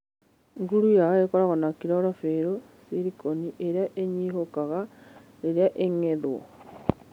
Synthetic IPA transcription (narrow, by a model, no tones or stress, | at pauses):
ŋɡuɾujaekoɾaɣonakiɾɔɾofeɾo | siɾikoniʔeɾjaʔeɲiɦokaɣa | ɾeɾeaʔeŋeðwo̰